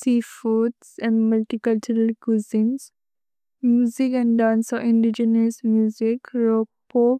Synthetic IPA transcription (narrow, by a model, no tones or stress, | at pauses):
siːfuːʈsɛ̃ɳɖməlʈikʌlt͡ʃuɾəlkuzĩns | mjuːzikɛ̃ɳɖɖãːnsɔɪ̃ɳɖid͡ʒənəsmjuːzikɾoː | poː